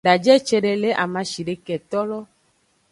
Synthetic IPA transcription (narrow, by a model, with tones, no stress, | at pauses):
ɖa˨d͡ʒɛ˦t͡ʃe˦ɖe˨le˦ʔa˨mã˨ʃi˨ɖe˨kɛ˨t̪ɔ˦lɔ˦